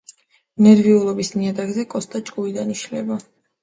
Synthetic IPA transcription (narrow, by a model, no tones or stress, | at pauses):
nɛɾviulˠɔbismiad̪aɡzɛkʼɔst̪ʼat͡ʃʼkʼuid̪aniʃlɛba